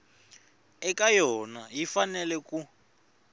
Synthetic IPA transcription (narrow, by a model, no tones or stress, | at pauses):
ɛkajɔnajifanɛlɛku